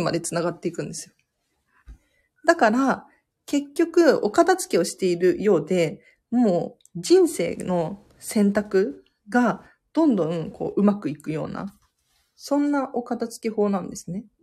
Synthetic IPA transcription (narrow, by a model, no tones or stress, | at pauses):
ma̰d̪e̞t͡sɨnaɡat̪ːe̞ikɯ̟̃nd̪e̞sɨjo̞ | d̪akaɾa | ke̞kʲːo̞kɯ̟o̞kad̪at͡sɨ̥ke̞o̞ɕi̥t̪e̞iɾɯ̟jo̞ːd̪e̞ | moː | d͡ʑĩɰ̃se̞̰ːno̞ | sẽ̞nt̪akɯ̟ | ɡa | d̪̥õ̞nd̪õ̞ŋkʰo̞̰ːʔɯ̟makɯ̟ikɯ̟jo̞̰ːna̰ | sõ̞nːaʔo̞kad̪at͡sɨ̥ke̞ho̞ːnãnd̪e̞sɨne̞